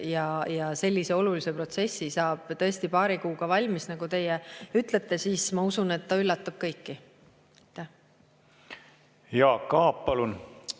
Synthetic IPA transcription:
jɑjɑse̞lʲːise̞o̞lulise̞pro̞t̪se̞sːisɑːb̥t̪ɤ̞est̪ipɑːɾikuːɡ̥ɑvɑlʲmisnɑɡ̥ut̪e̞jeyt̪ˑlet̪ˑːe̞siːsmɑusune̞t̪ːɑylːɑt̪ːˑub̥̚kɤjkːi | ɑjt̪ːˑæh | jɑːkɑːpːɑlun

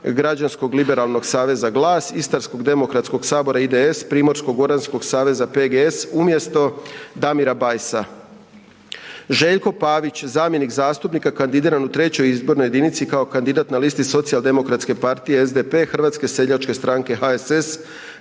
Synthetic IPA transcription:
ɡɾad͡ʑansko̞ɡlibe̞ɾalˠno̞ɡsaːʋe̞zaɡlˠaːsist̪aɾsko̞ɡd̪e̞mo̞kɾat̪sko̞ɡsaːbo̞ɾaid̪eespɾiːmo̞ɾsko̞ɡo̞ɾansko̞ɡ̥saːʋe̞zape̞ɡeesumje̞st̪o̞d̪amiɾabajsa | ʒe̞ːʎko̞paːʋit͡ɕzaːmje̞nikzaːst̪upnikakand̪id̪iːɾanut̪ɾe̞t͡ɕo̞jizbo̞ɾnoje̞d̪init̪sikao̞kand̪id̪at̪nalist̪iso̞t̪sijalˠd̪e̞mo̞kɾat̪ske̞paɾt̪ije̞ezd̪epe̞xr̩ʋat̪ske̞se̞ʎat͡ʃke̞st̪ɾaŋke̞xaeses

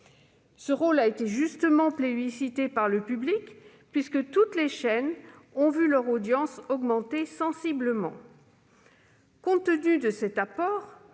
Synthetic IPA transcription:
səʁolaet̪eʒyst̪əmɑ̃plebisit̪epaʁləpyblik | pɥiskət̪ut̪leʃɛnɔ̃vylœʁod̪jɑ̃sɔɡmɑ̃t̪esɑ̃sibləmɑ̰̃ | kɔ̃t̪ənyd̪əsɛt̪apɔːʁ

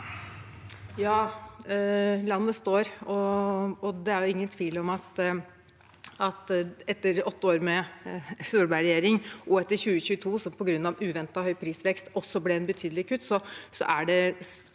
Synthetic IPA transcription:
jɑː | lɑnːəst̪oːɾɔɔd̪ɛæɾjʊɪŋːənt̪ʰʋiːlɔmɑt̪ | ɑt̪ɛt̪ːəɾɔt̪ːəoːɾmɛfuːɾbæɾɛjeːɾɪŋʔɔɛt̪ːəɾçʉːəçʉːət̪ʰuːsɔmpʰɔɡɾʉnːɑʋʉːʋɛnt̪ɑɔhœʏpʰɾiːsʋɛkst̪ɔsɔblɛɛnbət̪ʰyːd̪lɪkʰʉt̪ːsɔsɔ̰ʔæɖɛ

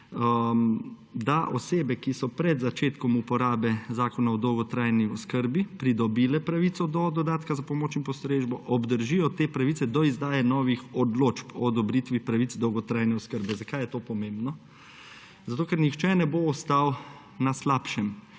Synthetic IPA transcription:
d̪aʔɔseːbɛkisɔpɾɛd̪zat͡ʃeːt̪kɔmupɔɾaːbɛzaːkɔnaɔd̪ɔwɡɔt̪ɾajniɔskəɾbipɾid̪ɔbiːlɛpɾaʋit̪sɔd̪ɔd̪ɔd̪aːt̪kazapɔmoːt͡ʃimpɔst̪ɾeʒbɔʔɔbd̪əɾʒijɔt̪eːpɾaʋisɛd̪ɔizd̪aːjɛnɔːʋixɔd̪loːt͡ʃpɔd̪ɔbɾit̪ʋipɾaʋit̪t͡s̪d̪ɔwɡɔt̪ɾaːjnɛɔskəɾbɛzakajɛt̪oːpɔmẽmbnɔ | zat̪oːkɛɾnixt͡ʃɛnɛboɔst̪aw | naslaːpʃɛm

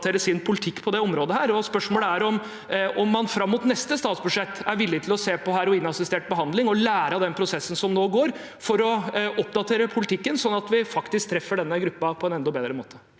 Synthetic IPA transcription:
t̪ʰeːɾəsɪnpʰʊlɪt̪ʰɪkːpʰɔd̪ɛɔmɾoːd̪əhæːɾɔspœʂmoːləæɾɔm | ʔɔmːɑnfɾɑmːʊt̪nɛst̪əst̪ɑːt̪sbʉd̪ʂɛt̪ːæɾʋɪlːɪt̪ʰɪlɔseːpɔɦæːɾɔɪnɑsɪst̪eːʈ̚bəɦɑnd̪lɪŋɔlæːɾɑd̪ɛnpʰɾʊsɛsːən̩sɔmnoːɡoːɾ | fɔɾɔʔɔpd̪ɑt̪ʰeːɾəpʰʊlɪt̪ʰɪkːənsɔnːɑt̪ʋɪfɑkt̪ɪsk̚t̪ʰɾɛfːəɖɛnːəɡɾʉpːɑpʰɔɛnɛnd̪ɔbeːd̪ɾəmoːt̪ʰə̥

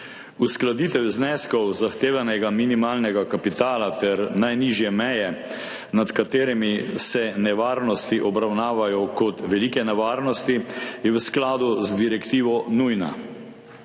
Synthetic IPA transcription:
usklad̪iːt̪ɛwznɛskɔwzaxt̪eːʋanɛɡaminimaːlnɛɡakapit̪aːlat̪ɛɾnajniʒjɛmɛjɛ | nat̪kat̪eːɾɛmisɛnɛʋaːɾnɔst̪iʔɔbɾawnaːʋajɔkɔt̪ʋɛliːkɛnɛʋaːɾnɔst̪ijɛʋəsklaːd̪uzd̪iɾɛkt̪iːʋɔnujna̰

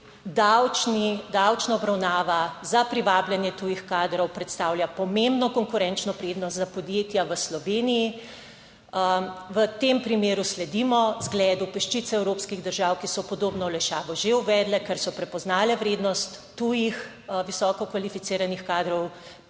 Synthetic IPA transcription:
d̪awt͡ʃnid̪awt͡ʃnaɔbɾawnaːʋazapɾiʋaːbljanjɛt̪uːjixkaːd̪ɾɔwpɾɛt̪st̪aːwljapɔmembnɔkɔŋkuɾɛnt͡ʃnɔpɾeːd̪nɔst̪zapɔd̪jet̪jaʋəslɔʋeːniji | ʋət̪empɾimeːɾuslɛd̪imɔzɡlɛːd̪upəʃt͡ʃit̪sɛɛwɾoːpskiɣd̪əɾʒawkisɔpɔd̪oːbnɔwlɛʃaːʋɔʒeuʋɛːd̪lɛkɛɾsɔpɾɛpɔznaːlɛʋɾeːd̪nɔst̪ːujix | ʋisɔːkɔkʋalifit̪siːɾanixkaːd̪ɾɔw

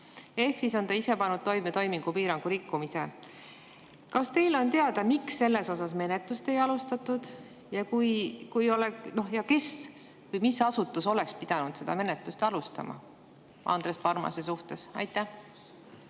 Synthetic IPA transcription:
e̞hksiso̞nt̪ɑise̞pɑnːud̪̥̚t̪o̞jmet̪o̞jmiŋɡ̥upiːɾɑŋɡ̥uɾikːumise̞ | kɑst̪e̞jlo̞nt̪e̞ɑd̪ɑmiksːe̞lːe̞so̞s̬ɑsme̞net̪ˑust̪e̞jɑlust̪ɑt̪ːˑud̪̥ | jɑkujkujoleno̞jɑke̞svɯjmisɑsut̪ːˑuso̞le̞kspid̪̥ɑnud̪̥se̞d̪ɑ̰me̞net̪lust̪ɑlust̪ɑ̰mɑ̰ | ʔɑ̰nd̪̥ɾe̞spɑrmɑ̰sesuht̪e̞sɑ̰jt̪ːˑæh

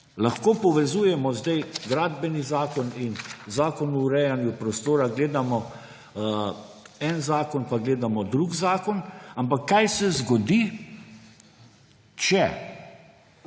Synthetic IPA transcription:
laxkoːpɔʋɛzuːjɛmɔzd̪ajɡɾaːd̪bɛnizaːkɔninzaːkɔnuːɾɛjanjupɾɔst̪oːɾaɡleːd̪amɔ | ɛnzaːkɔnpaɡleːd̪amɔd̪ɾuɡzaːkɔnampakːajsɛzɡɔd̪i | t͡ʃɛ

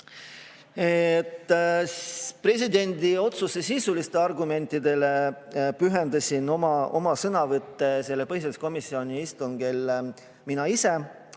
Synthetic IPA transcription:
et̪ːˑ | pre̞s̬ʲid̪e̞nʲd̪io̞t̪susesiːsulist̪eɑrɡume̞nʲt̪ːˑid̪e̞le̞pyɦend̪̥ɑsʲino̞mɑʔo̞̰mɑsɤnɑvɤt̪ːe̞se̞lːe̞pɤhisesko̞misːio̞nʲiist̪uŋɡ̥e̞l | minɑise̞

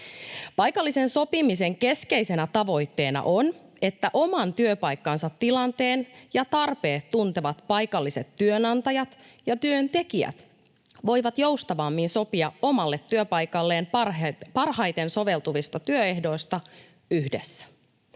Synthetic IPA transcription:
pɑjkɑlːise̞nso̞pimise̞ŋke̞ske̞jse̞næt̪ɑʋo̞jt̪ːe̞ːnɑ̰ʔone̞t̪ːæʔo̞mɑnt̪yøpɑjkːɑnsɑt̪ːilɑnt̪e̞ːnjɑt̪ɑrpeːt̪ːunt̪eʋɑt̪pɑjkɑlːise̞t̪tyønɑnt̪ɑjɑt̪ | jɑt̪yønt̪e̞kiæ̰t̪ | ʋo̞jʋɑt̪jowst̪ɑʋɑmːinso̞piɑo̞mɑlːe̞t̪ːyøpɑjkɑlːe̞ːnpɑrhɑjt̪e̞nso̞ʋe̞lt̪uʋist̪ɑt̪yøe̞hdo̞ist̪ɑ | yhde̞̰sːæ̥

